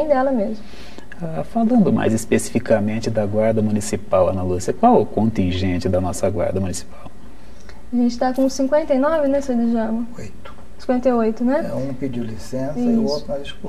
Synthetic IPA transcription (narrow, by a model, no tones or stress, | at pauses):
ẽj̃d̪ɛlɐmezmʊ | afalɐ̃nd̪ʊma̰jzispesi̥fikɐmẽnt͡ʃɪd̪ɐɡwaɾd̪ɐmũnisipawɐ̰̃nalusiɐkwawɛkõnt̪ĩʒẽnt͡ʃɪd̪ɐnɔsɐɡwa̰ɾd̪ɐmũnisi̥paw | aʒẽnt͡ʃɪ̥t̪akõsĩŋkwẽnt̪ejnɔvɪnɛsed͡ʒɪʒɐ̃mɐojt̪ʊ̥ssĩkwẽnt̪ejojt̪ʊnɛɛũpid͡ʒiwlisẽsiɐisot̪ad͡ʒisku